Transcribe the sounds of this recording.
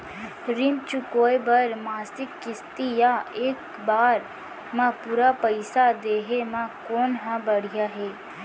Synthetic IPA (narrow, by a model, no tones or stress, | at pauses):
ɾɪmt͡ʃukoːebəɾmaːsɪkːɪst̪ijaeːk | baːɾ | mãpuːɾapəɪsad̪eːɦemãkoːnɦãbəɽ̤ijaɦɛː